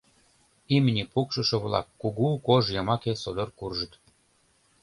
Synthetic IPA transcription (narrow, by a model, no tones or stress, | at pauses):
imnʲipukʃɤ̆ʃɤ̆βlɑ̰kːuɣukoʒjɤmɑkesod̪orkurʒə̆t̪